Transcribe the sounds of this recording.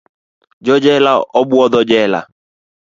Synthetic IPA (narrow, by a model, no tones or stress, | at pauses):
d͡ʒɔd͡ʒɛlaɔbwɔd̪ɔd͡ʒɛla̰